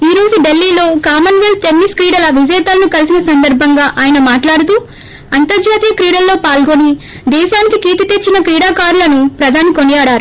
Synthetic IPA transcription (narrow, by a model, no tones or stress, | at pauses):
iːɾo̞ːzuɖe̞lːiːlo̞ːkaːmɐnʋilt̪enːiskɾiːɽɐlɐʋid͡ʒɛːt̪ɐlɐnukɐlisinɐsɐnd̪ɐɾbʱɐŋɡaːʔaːjɐnɐmaːʈlaːɽut̪uː | ɐnt̪ɐɾd͡ʒaːt̪ijɐkɾiːɽɐlːo̞ːpaːlɡo̞ni | d̪ɛːʃaːnikikiːt̪ɐt̪et͡ʃːinɐkɾiːɽaːkaːɾlɐnupɾɐd̪ʱaːnikonijaːɽaːɾu